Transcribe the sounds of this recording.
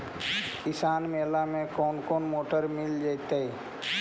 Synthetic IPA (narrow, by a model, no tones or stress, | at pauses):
kɪsaːnmeːlamẽkɔːnkoːnmoːʈəɾmɪld͡ʒat̪ai